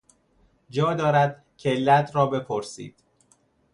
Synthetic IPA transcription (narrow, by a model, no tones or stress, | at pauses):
d͡ʒɒːd̪ɒːɾæd̪ | cʰelæt̪ɾɒːbe̞pʰoɾsḭːd̪̥